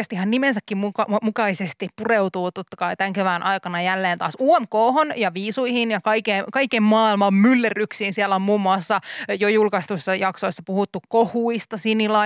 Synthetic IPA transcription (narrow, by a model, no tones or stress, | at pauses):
est̪ihɑnnimensækːimmukɑmukɑisest̪ippureut̪uːt̪ot̪ːɑ̥kɑit̪æŋkeʋænʔɑikɑnɑjælːeːnt̪ɑ̰ːsuomkoːhonjɑʋiːsuihinjɑkɑikekɑikemmɑːilmɑmmylːeryksiːnsiælːæomuːmːuɑsːɑjojulkɑst̪usːɑjɑksoisːɑpuhut̪ːukkohuist̪ɑsinilɑ